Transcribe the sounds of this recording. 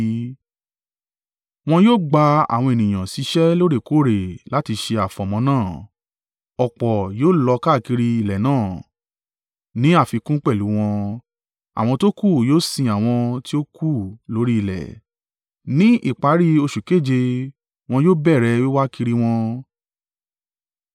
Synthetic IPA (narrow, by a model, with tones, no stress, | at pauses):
w̃ɔ̃˧joː˦˨ɡ͡ba˧a̰˨w̃ɔ̃˧e˨nĩ˨j̃ã˨si˧˦ʃɛ˦lo˦ɾe˦˨ko˦˨ɾe˨la˨˦ti˧ʃe˧a˨fɔ̃˨mɔ̃˧nãː˦˨ | ɔ˨k͡pɔ˨joː˦˨lɔ˧ka˦˨ki˧ɾi˧i˨lɛ˨nãː˦˨ | nĩ˨˦a˦˨fi˧kũ˦k͡pɛ˦˨lu˨˦w̃ɔ̃˧ | a̰˨w̃ɔ̃˧to˦ku˦˨joː˦sĩ˧a˨w̃ɔ̃˧ti˦o˦ku˦˨lo˨˦ɾi˦˨lɛ̰˨ | nĩ˦ʔḭ˦˨k͡pa˨˦ɾi˦o˧ʃu˨ke˦˨d͡ʒe˧ | w̃ɔ̃˧joː˦bɛ˦˨ɾɛ˧wi˦wa˦ki˧ɾi˦w̃ɔ̃˧